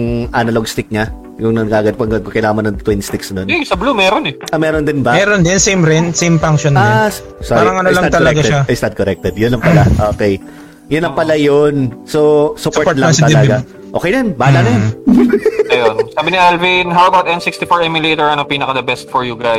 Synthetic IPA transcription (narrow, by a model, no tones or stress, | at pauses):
ŋʔɐnɐloɡst̪ɪk̚ɲa | jʊŋnɐnɡaʔɐɡɐd̪̚pɐŋɡɐd̪̚kokɐjlaːmɐnːɐŋt̪winst̪ɪksnonɛsɐblumɛɾonɛʔɐmɛːɾond̪ɪnbɐmɛːɾond̪ɪnsejmɾɛnsejmfaŋʃona | saɾːɾɾɐŋɐnolɐnɐd̪t̪ɐlɐɡaʃaɛsnɐd̪̚koɾɛk̚t̪ɛd̪jʊnlɐŋpɐlaʔoːkej | jʊnlɐŋpɐlajonsosʊpsoɹt̪̚ːlɐt̪ɐlɐɡa | ʔo̞ːkɛjnnbaːlanɐjon | ɐjonsaːbɪniʔalvinɦawɐbawt̪ʔɛ̃nsikst̪ɪfoɹɛmjɪlet̪ɛɹɐnopiːnɐkɐd̪ɐbɛst̪̚fɔɹjuɡɾaj